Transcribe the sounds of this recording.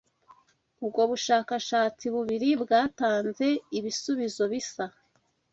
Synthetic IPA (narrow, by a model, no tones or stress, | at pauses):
ub̚ɡo̞βuʃaːkaʃaːt͡siβuβiɾibɡaːtaːnze̞iβisuβizo̞βisa